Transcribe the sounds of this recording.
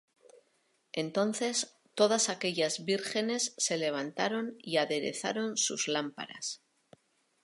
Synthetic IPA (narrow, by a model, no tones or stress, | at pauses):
e̞nt̪o̞nθe̞s | t̪o̞ð̞asake̞ʎazβiɾxe̞ne̞sːe̞le̞β̞ant̪aɾo̞niaðe̞ɾe̞̰θa̰ɾo̞nsṵzlampa̰ɾa̰s